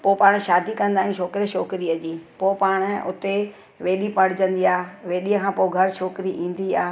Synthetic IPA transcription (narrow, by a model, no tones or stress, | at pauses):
poːpaːɽ̃ʃaːd̪ikɐ̃nd̪aːɦũʃʰoːkɾiʃoːkɪɾiəd͡ʑiːpoːpaːɽ̃ʊ̆ʊ̰t̪e | ʋeːɗipɐɽ̤ɪd͡ʑə̃nd̪iaːʋeːɗiəkʰãːpoːɡʱɐɾʃʰoːkɪɾiʔĩːn̆d̪iaːɦ